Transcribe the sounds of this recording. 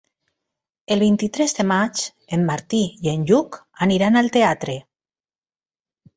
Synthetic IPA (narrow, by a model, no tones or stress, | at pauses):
elβ̞ejnt̪it̪ɾezðemat͡ʃ | emːaɾt̪iienʎukaniɾanalt̪eat̪ɾe